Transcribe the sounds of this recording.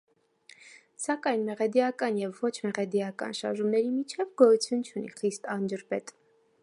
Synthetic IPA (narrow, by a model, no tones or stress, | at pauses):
sɑkɑjnmɛʁɛd̪ijɑkɑnjɛvːɔt͡ʃʰmɛʁɛd̪ijɑkɑ̰nʃɑ̰ɾʒumnɛɾimit͡ʃʰɛvɡɔjut͡sʰjunt͡ʃʰunḭχist̪ɑnd͡ʒəɾpɛt̪